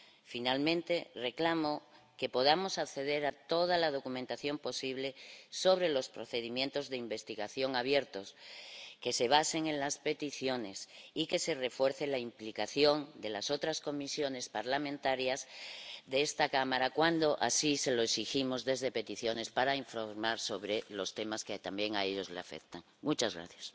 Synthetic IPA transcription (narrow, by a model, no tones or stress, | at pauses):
finalmẽnt̪e̞re̞klamo | ke̞po̞ðamo̞sakθe̞ð̞e̞ɾat̪o̞ð̞alað̞o̞kumẽnt̪aθjo̞mpo̞siβ̞le̞so̞β̞ɾe̞lo̞spɾo̞θe̞ðimjẽ̞nt̪o̞zðe̞imbe̞st̪iɣaθjo̞ŋaβje̞ɾt̪o̞ske̞se̞β̞ase̞ŋẽ̞nlaspe̞t̪iθjo̞ne̞sike̞se̞re̞fwe̞ɾθelaimplikaθjo̞nd̪e̞laso̞t̪ɾasko̞misjo̞ne̞spaɾlamẽnt̪aɾjazðeest̪akamaɾakwand̪o̞ʔasise̞lo̞eksiximo̞zðe̞zðe̞pe̞t̪iθjo̞ne̞spaɾaiɱfoɾmaɾso̞βɾe̞lo̞st̪e̞masket̪ambje̞ŋaeʎo̞zlea̰fe̞̰kt̪aŋmut͡ʃazɣɾa̰θjas